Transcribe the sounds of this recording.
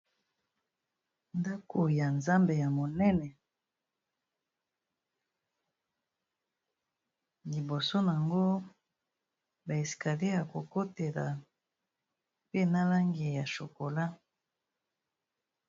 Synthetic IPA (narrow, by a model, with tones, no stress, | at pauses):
nda˦kʰo˨ja˨nza˦mbe˨ja˨mo˨nɛ˦nɛ˨ | li˨bo˨so˦n˨a˨ŋɡo˦ | ba˨e˨ska˨le˦a˨ko˨ko˦te˨la˨ | pe˦na˦la˦ŋɡi˨ja˨ʃo˨ko˨la˦